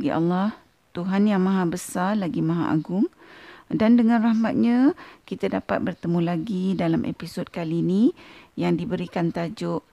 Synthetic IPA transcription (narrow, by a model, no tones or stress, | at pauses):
ɡiʔa̰lːah | t̪uɦanjaŋmãɦabəsalaɡimãɦa̰ʔa̰ɡʊŋdandəŋãnrahmat̪̚ɲãkit̪adapat̪̚bərt̪əmulaɡidalamʔḛpisod̚kalinijaŋdibəɾikant̪ad͡ʒʊʔ